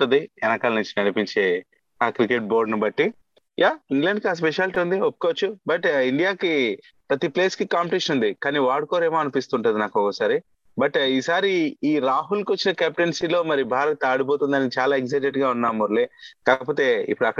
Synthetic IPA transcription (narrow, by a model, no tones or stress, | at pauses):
ud̪iɛnɐkaːlɐnuɲt͡ʃi̥ɐnipiɲt͡ʃe̞ː | aːkɾikeʈ̚bo̞ːɾɖnubɐʈːi | jʔaːiŋɡleɳɖkiaːs̬peʃaːlʈiːund̪iopːu̥koʋɐt͡ʃːubɐʈiɳɖijaːki | pɾɐt̪ipleːskikaːmpeʈiʂɐnund̪ikaːniːʋaːɽkoːɾeːmoːɐnupist̪uːɳʈund̪inaːkɔkɐsaːɾi | bɐʈiːsaːɾiiːɾaːɦulkiʋot͡ʃːinɐkaːp̚ʈensilo̞ːmɐɾibʱaːɾɐt̪aːɽup̬o̞ːt̪und̪ɐnit͡ʃaːlaːeɡzɐjʈeʈɡaːunːaːmuɾleːkaːɐpoːt̪e̞ḭpːuɽɐkːɐ